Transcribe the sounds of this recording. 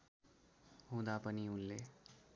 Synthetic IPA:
ɦũd̪apəniulːe

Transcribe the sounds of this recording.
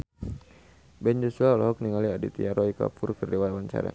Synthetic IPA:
bɛnd͡ʒusuaɔlɔɦɔk̚niŋaliadit̪iaɾɔika̰purkərdiwat̪awant͡ʃa̰ɾa̰

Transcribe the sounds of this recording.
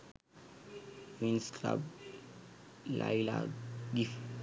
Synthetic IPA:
winskʰla̰b | la̰ila̰dif

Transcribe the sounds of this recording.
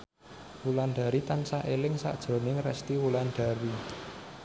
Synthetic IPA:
wulanɖ̥a̤ɾit̪ansaʔelɪŋsa̰d̥ʒ̥ɾo̤nɪŋrɛ̰st̪iwulanɖ̥a̤ɾi

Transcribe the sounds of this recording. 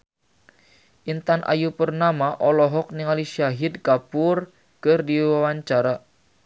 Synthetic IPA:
ʔint̪anʔa̰jupərnamaʔɔlɔɦɔk̚niŋaliʃaɦidkapʊr | kɨrdiwawaɲt͡ʃaɾa

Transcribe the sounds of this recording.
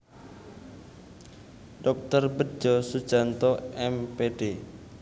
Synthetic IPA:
ɖɔk̚t̪ərbə̥d͡ʒɔsud̥ʒ̥a̤nt̪ɔɛmpeɖ̥e

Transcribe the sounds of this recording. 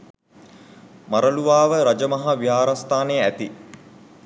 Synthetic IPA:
maɾəluʋaːʋəɾad͡ʒəmɐɦaʋiɦaːɾast̪aːnejæt̪i

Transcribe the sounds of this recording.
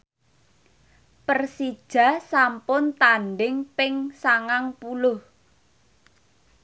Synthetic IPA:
pərsid̥ʒ̥a̤sampʊnt̪anɖɪŋpɪŋsaŋaŋpulʊh

